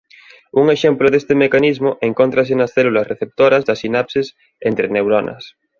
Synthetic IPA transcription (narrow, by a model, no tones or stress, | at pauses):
uŋeʃemploðest̪emekanizmoʔeŋkont̪ɾɐs̬enɐsθelulɐsreθep̚t̪oɾɐzðɐsinapses | ent̪ɾenewɾonɐ̰s